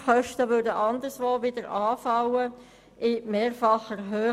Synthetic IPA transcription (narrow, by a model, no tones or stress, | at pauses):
χœʃtəʋʏɾdəʔɑnd̪əɾsʋoːʋɪdəɾʔɑːfɑwə | ʔɪmeːɾfɑχəɾɦøː